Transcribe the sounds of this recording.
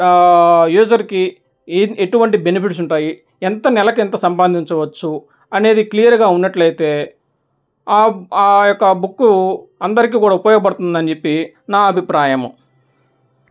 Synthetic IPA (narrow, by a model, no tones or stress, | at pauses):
juːd͡ʒɐɾki | eʈuʋɐɳʈibe̞nipʰiʈs̬uɳʈaːji | ɛnt̪ɐnɛlɐkuɛnt̪ɐsɐmpɐnd̪ʱiɲt͡ʃɐʋɐt͡ʃːu | ɐne̞ːd̪iklijɐɾɡaːunːɐʈlɐjit̪e̞ː | aːjɔkːɐbukːuɐnd̪ɐɾik̬iːkuːɽaːupɔjɔɡɐp̬ɐɽut̪und̪ɐnd͡ʒepːi | naːɐbʱipɾaːjɐm